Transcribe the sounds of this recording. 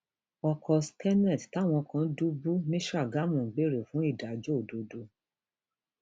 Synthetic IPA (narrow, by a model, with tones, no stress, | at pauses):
ɔ˧kʰɔ˧skɛ˦nɛ˦˨dta˦˨w̃ɔ̃˧kã˧˦du˦bu˦nĩ˦ʃɾa˦˨ɡa˦mũ˨ɡ͡be˨˦ɾe˨fũ˦i˦˨da˨d͡ʒo˦˨do˨do˧